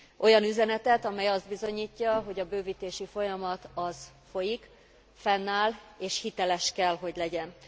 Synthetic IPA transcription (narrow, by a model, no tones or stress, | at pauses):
ʔo̞jɒnyzɛnɛt̪ɛt̪ɒmɛjɒzd̪̚bizo̞ɲiːcːɒɦo̞ɟɒbøːviːt̪eːʃifo̞jɒmɒt̪ɒz̥ | fo̞jik | fɛnːaːleːʃhit̪ɛlɛʃkɛlɦo̞ɟlɛɟɛn